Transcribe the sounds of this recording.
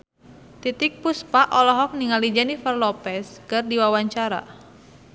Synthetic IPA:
t̪it̪ik̚puspaʔɔlɔɦɔk̚niŋalid͡ʒanifərlɔpɛskɨrdiwawaɲt͡ʃaɾa̰

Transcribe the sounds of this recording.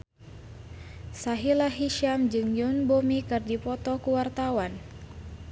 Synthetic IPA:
saɦilaɦiʃamd͡ʒɨŋjunbomikɨrdipɔt̪ɔkuwart̪awan

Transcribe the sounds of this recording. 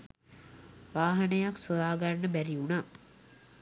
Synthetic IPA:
ʋaːɦɐnəjaksojaːɡarnːəbæɾiunaː

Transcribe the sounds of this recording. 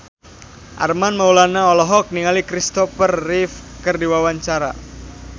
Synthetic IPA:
ʔa̰rmanmaulanaɔlɔɦɔk̚niŋalikɾist̪ɔfərːifkərdiwawaɲt͡ʃaɾa̰

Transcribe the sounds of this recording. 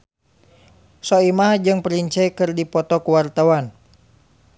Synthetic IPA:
sɔimaɦd͡ʒɨŋpəɾiɲt͡ʃɛikɨrdipɔt̪ɔkuwart̪awan

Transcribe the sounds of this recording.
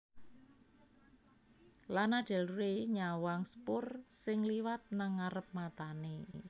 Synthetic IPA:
lanaɖ̥ɛlreɲawaŋspʊrsɪŋliwat̪̚naŋːaɾəp̚mat̪ane

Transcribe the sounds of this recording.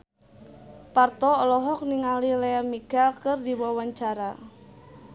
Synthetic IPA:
part̪ɔːlɔɦɔk̚niŋalileamiɡalkɨrdiwawaɲt͡ʃaɾa

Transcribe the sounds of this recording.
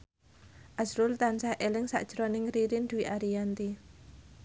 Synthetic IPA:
ʔasɾʊlt̪ansahʔelɪŋsa̰ʔd̥ʒ̥ɾonɪŋɾiɾɪnd̥̪uwiʔaɾijant̪i

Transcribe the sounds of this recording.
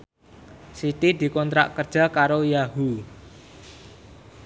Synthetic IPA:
sit̪id̪̥i̤kɔnt̪ɾa̰ʔkərd̥ʒ̥a̤kaɾojaɦu

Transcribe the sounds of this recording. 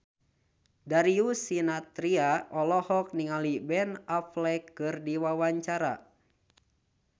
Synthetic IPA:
daɾiusinat̪ɾiaɔlɔhɔk̚niŋalibɛnaflɛkːɨrdiwawaɲt͡ʃaɾa̰

